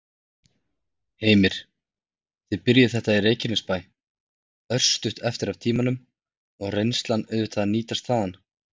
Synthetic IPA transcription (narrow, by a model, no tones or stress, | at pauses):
heːjmɪɾ̥ | θɪðpɪɾjɪθɛht̪airejcɪnɪspaːj | œr̥st̪ʏht̪ɛft̪ɪɾavt̪ʰiːmanʏm | ɔɣrejnst̪lanʏːvʏt̪ʰaðaniːt̪ast̪θaðan